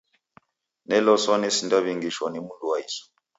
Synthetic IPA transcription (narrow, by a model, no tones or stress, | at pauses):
nɛlɔsɔnɛsindaβiŋɡiʃwanimunduwaisɔ̥